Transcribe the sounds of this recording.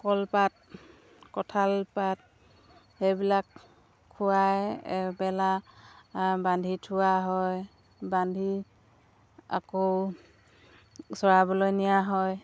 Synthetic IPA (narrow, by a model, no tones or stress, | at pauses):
kɔlpat̚ | kɔtʰalpat̚ | hejbilakʰː | ʊwajɛbɛla | bandʱitʰʊwaɦɔj | bandʱi | a̰kow | sɔɹabɔlɔjnijaɦɔj